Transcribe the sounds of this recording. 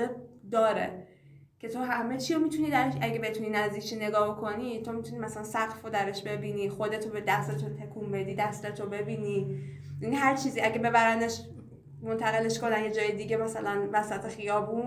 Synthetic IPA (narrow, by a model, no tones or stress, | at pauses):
ed̪ɒːɾḛ | cʰe̞t̪ʰoɦæme̞t͡ʃʰiːɾomit̪ʰuniːd̪æɾeʃæɟe̞be̞t̪ʰuninæzd̪iːkʰt͡ʃine̞ɡɒːbokʰo̞niːt̪ʰo̞mit̪ʰunimæsælænsæɡfod̪æɾeʃbe̞biːniːxo̞d̪e̞t̪ʰobed̪æst̪et̪ʰot̪ʰekʰumbe̞d̪iːd̪æst̪et̪ʰobe̞biːniː | inɦæɾt͡ʃʰiːziːæɟe̞be̞bæɾænd̪eʃ | mo̞nt̪ʰæɣe̞le̞ʃko̞nænje̞d͡ʒɒːjed̪iɟemæsælænvæsæt̪ʰe̞xijɒːbuːn